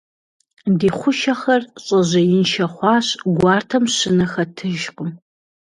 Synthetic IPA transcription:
deːχʷʊʃɐχɐrɕʼɐʑɐjɪnʃɐχʷɑːɕɡʷɑːrtʰɐmɕɪnɨxɐtʰɨʒqʷʼʊm

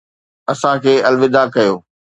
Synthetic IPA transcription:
ɐsãkʰeːɐlʋɪd̪akɐjoː

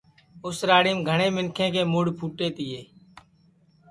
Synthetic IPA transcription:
ʊsɾaːɽiːmɡʱəɳeːmɪnkʰẽːkeːmʊɽpʰuːʈeːt̪ɪːeː

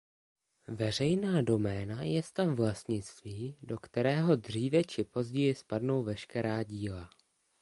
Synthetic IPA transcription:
vɛr̝ɛjnaːdo̞mɛːnajɛst̪afvlast̪ɲɪt͡st̪viːdo̞kt̪ɛɾɛːɦo̞dr̝iːvɛt͡ʃɪpo̞zɟɛjɪspadno̞wvɛʃkɛɾaːɟiːla

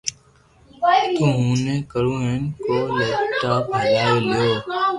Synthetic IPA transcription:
t̪oːɦũːnẽːkəɾũːɦeːnkoːləːʈaːpɪlaːeːlɪjoː

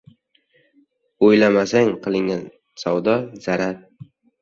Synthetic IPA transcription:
ojlamasaŋqʰɨlˠɪŋan | sawd̪ɒzaɾaɾ

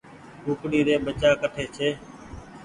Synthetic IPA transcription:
ɦuːkɽiːd̪eːɓət͡ʃaːkəʈʰeːt͡ʃʰeː

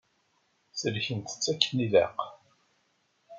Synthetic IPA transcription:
səɾçənt̪ə̥t͡sːækːənilæ̰q

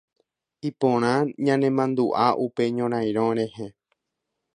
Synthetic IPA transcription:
ipõɾ̃ãɲãnẽ̞mãnd̪uʔaʔupe̞ɲõɾ̃ãj̃ɾ̃õɾ̃ẽ̞he

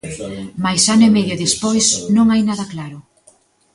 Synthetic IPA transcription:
majsanʊemeðjoðespojsnõŋajnaðɐklaɾʊ

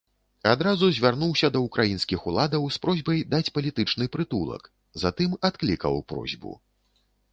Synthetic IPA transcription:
ad̪ɾazuzʲvʲarnuwsʲɐd̪ɐukɾʔajinskʲixulˠad̪ɐwspɾɔzʲbɐjd̪at͡sʲpɐlʲit̪ɨt͡ʂnɨpɾɨt̪ulˠɐ̰k | zat̪ɨmat̪klʲikɐ̰wpɾɔ̰zʲbṵ

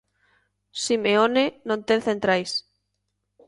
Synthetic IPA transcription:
simeonenõnt̪enθẽnt̪ɾajs

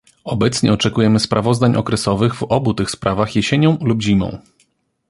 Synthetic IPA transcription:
ɔbɛt̪sɲɛɔt͡ʂɛkujɛmɘspɾʔavɔzd̪aɲʔɔ̰kɾɛsɔvɘɣvɔbut̪ɘxspɾʔavaxjeɕeɲɔ̃w̃lubʑimɔ̰̃w̃

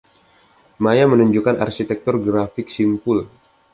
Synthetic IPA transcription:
majamənuɲd͡ʒukana̰rsit̪ɛk̚t̪ʊrɡɾafɪk̚simpʊl

